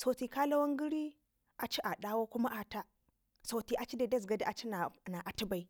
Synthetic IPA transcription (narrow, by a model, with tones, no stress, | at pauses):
so˨ti˨ka˦la˦wa˦ŋɡi˦ɾi˦ | a˨t͡ʃi˦ʔa˨ɗa˦wo˦ku˦ma˦ʔa˨ta˦ | so˨ti˦ʔa˨t͡ʃi˦da˨da˦z̬ɡa˨da˦ʔa˨t͡ʃi˦na˨na˨ʔa˨ti˦ba˨i˨